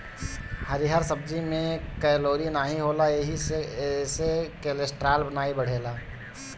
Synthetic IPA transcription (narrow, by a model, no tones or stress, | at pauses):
həɾiɦəɾsəb̚d͡ʒimẽkɛːloːɾinaːɦiɦoːlaeɦi | sekelesʈɾaːlbənaːibəɽ̤eːlaː